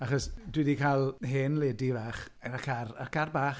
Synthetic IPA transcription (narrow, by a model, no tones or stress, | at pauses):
aχɔsdwɪdikʰalˠɦeːnleːdivaːχakʰararkʰarbaːχ